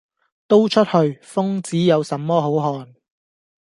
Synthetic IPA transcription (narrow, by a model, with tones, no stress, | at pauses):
t̪o˥wt͡ʃʰɵ˥t̚hɵ˧ɥfʊ˥ŋt͡siː˨˥jɐ˨˧wsɐ˨˥mːɔː˥ɦo˨˥wɦɔː˧n